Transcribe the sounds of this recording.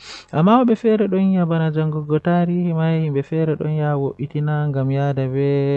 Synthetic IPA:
ʔamːawɔɓɛfɛɾɛɗɔnjabanad͡ʒaŋɡɔɡɔtaɾihmajhimbɛfɛɾɛɗɔ̰njawoʔitinaŋɡamjadabɛ

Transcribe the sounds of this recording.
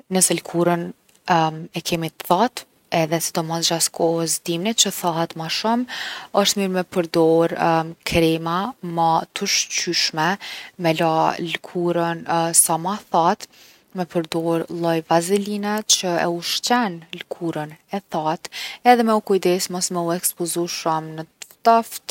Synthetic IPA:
nəsɛlkʰuɾən | ɛkɛmit̪θat̪ | ɛðɛsid̪ɔmɔsd͡ʒaskʰɔhəsd̪imnit͡ɕəθaɦat̪maʃuməʃt̪miɾmɛpəɾd̪ɔɾkɾɛmamat̪əʃt͡ɕyʃmɛmɛlalkʰuɾənsamaθat̪ | mɛpəɾd̪ɔɾlˠɔjvazilinɛt͡ɕəɛ̰uʃt͡ʃɛnlkʰuɾənɛθat̪ɛðɛmɛukujd̪ɛsmɔsmɛuɛkspɔzuʃəmnət̪aft̪

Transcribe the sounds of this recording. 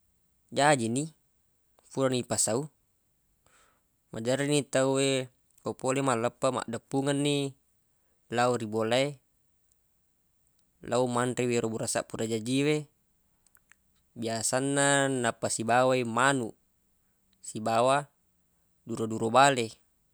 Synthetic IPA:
d͡ʒad͡ʒini | fuɾanipasau | mad͡ʒaɾinit̪aue | kopolemaləpːama̰ʔdapːuŋanːi | lauɾibolae | lʔaumanriweɾobuɾasa̰ʔpuɾad͡ʒad͡ʒiwe | biasanːanapːasibawaimanu | sibawa | duɾoduɾobale

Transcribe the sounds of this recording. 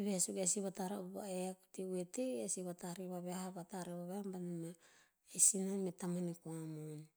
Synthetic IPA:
βehasuɡesiβataɾaobaβa̰eaku̥tiweteesiβataɾiβaβeahaβataɾeβaβehambanama | esinametamanekoamoni

